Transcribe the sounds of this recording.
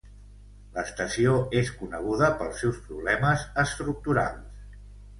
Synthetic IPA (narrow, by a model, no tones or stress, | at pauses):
ləst̪əsioeskunəɣ̞uðəpəlˠsɛwspɾuβlɛməzəst̪ɾuk̚t̪uɾa̰lˠs